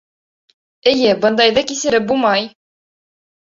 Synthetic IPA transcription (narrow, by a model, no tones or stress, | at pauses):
ɘ̆jɘbɤ̆nd̪ɑjðɤkisɘ̆ɾɘp̚bulˠmɑj